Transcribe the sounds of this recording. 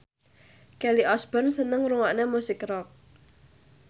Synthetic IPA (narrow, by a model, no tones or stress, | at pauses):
kɛliʔɔsb̥ɔnsənəŋruŋaʔnemusɪkrɔk̚